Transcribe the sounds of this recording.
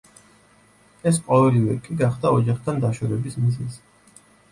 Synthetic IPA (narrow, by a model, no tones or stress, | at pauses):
ɛs̬qʼɔvɛlivɛkʼiɡaχd̪aɔd͡ʒaχt̪ʰand̪aʃɔɾɛbismizɛz